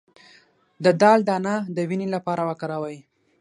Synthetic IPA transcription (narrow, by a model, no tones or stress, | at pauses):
d̪əd̪ɑld̪anad̪əwinelapɑɾawakaɾawaj